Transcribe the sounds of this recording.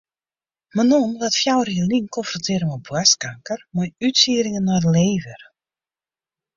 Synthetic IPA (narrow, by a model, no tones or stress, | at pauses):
mənɔnʋatfjawɾəjəliŋkʰɔnfrɔntʰɪəɾəmɔbwaskaŋkərmajytsiəɾɪŋənːarleːvər